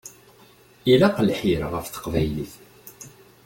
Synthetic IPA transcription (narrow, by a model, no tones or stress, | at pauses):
ilaqəlħiɾʁəfθə̥qvæjliθ